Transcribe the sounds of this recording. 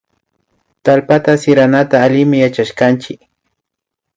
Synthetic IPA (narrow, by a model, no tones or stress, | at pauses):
t̪alpat̪asɪɾanat̪aːlɪmɪjat͡ʃaʃkant͡ʃɪk